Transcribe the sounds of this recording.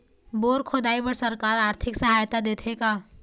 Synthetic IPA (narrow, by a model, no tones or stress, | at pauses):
boːɾkʰod̪aːibəɾsɐɾkaːɾaːɾt̪ʰɪksɐɦaːjt̪ad̪eːt̪ʰekaː